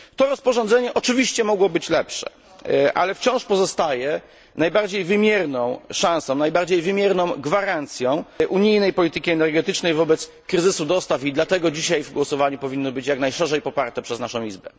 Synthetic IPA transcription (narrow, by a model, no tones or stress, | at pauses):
t̪ɔɾɔspɔʐɔ̃nd̪ɛɲɛʔɔt͡ʂɘvʲiɕt͡ɕɛmɔɡwɔbɘt͡ɕlɛpʂɛ̰ | ʔa̰lɛft͡ɕɔ̃w̃ʂpɔzɔst̪ajɛ | najbaɾd͡ʑejvɘmʲjɛɾnɔ̃w̃ʂãw̃sɔ̃w̃najbaɾd͡ʑejvɘmʲjɛɾnɔ̃w̃ɡvaɾant̪sʲjɔ̃w̃ʔuɲijnɛjpɔlʲit̪ɘkʲiɛnɛɾɡɛt̪ɘt͡ʂnɛjvɔbɛt̪s | kɾɘzɘsud̪ɔst̪afid̪lat̪ɛɡɔd͡ʑiɕajvɡwɔsɔvaɲupɔvʲinːɔbɘt͡ɕjaknajʂɛʐɛjpɔpaɾt̪ɛpʂɛznaʂɔ̃w̃izbɛ